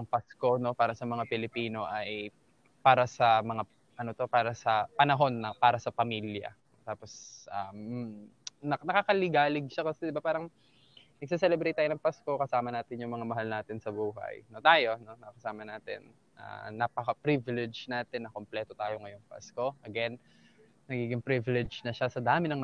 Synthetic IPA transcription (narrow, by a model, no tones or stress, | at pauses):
ɐŋpasko̞no̞paːɾɐsɐmɐŋapɪlɪpiːno̞ʔɐj | paːɾɐsɐmɐŋa | ʔɐno̞t̪o̞paːɾɐsɐpɐnɐɦo̞nːɐpaːɾɐsɐpɐmiljɐ̰ | t̪aːpo̞sʔɐm | nɐnɐkakɐlɪɡaːlɪɡ̚ʃɐkɐsɛd̪ɪbapaːɾɐŋ | nɐɡ̚sɐsɛlɛbɾɛjt̪aːjonɐŋpasko̞kɐsaːmɐnaːt̪ɪnjʊŋmɐŋamɐɦalnaːt̪ɪnsɐbuːɦɐ̰jno̞t̪aːjo̞no̞nɐkɐsaːmɐnaːt̪ɪ̰n | ʔa̰nɐpɐkɐpɾivɪlɛd͡ʒnaːt̪ɪnːɐkomplɛːt̪ot̪aːjo̞ŋɐjo̞ŋpa̰sko̞ʔɐɡɛn | nɐɡiːɡɪŋpɾivɪlɛd͡ʒnɐʃasɐd̪aːmɪnɐŋ